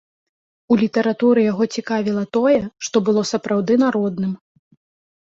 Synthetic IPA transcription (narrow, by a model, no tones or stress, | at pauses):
ulʲit̪ɐɾat̪uɾɨjaɣɔt͡sʲikavʲilˠɐt̪ɔjɛʂt̪ɔbɨlˠɔsɐpɾawd̪ɨnaɾɔd̪nɨm